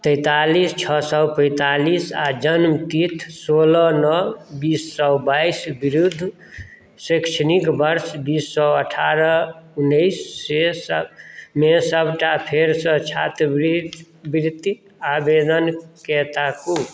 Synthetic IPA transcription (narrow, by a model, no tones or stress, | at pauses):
t̪əɪt̪alist͡ʃʰɔsɔwpə̃ɪ̃t̪alisad͡ʒənmt̪it̪ʰsolənəbisːɔwbajsbiɾud̪ʱː | səkʃʰənikbəɾsbisːɔəʈʰaɾəunːəɪsːes | mesəbʱʈapʰeɾsə̃t͡ʃʰat̪ɾbɾi | bɾit̪i | abed̪ənket̪aku